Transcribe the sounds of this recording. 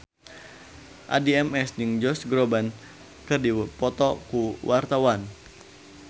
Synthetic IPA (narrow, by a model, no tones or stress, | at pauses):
ʔa̰diɛmɛsd͡ʒɨŋd͡ʒɔsɡɾoban | kɨrdipɔt̪ɔkuwʔart̪awan